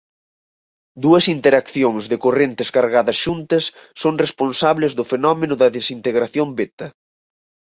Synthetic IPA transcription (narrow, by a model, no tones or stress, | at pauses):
d̪uɐsint̪eɾakθjoŋzðɪkorent̪ɪskaɾɣaðɐsʃunt̪ɐsːoŋresponsaβlɪzðʊfenɔmenʊðɐðesint̪eɣɾaθjombet̪ɐ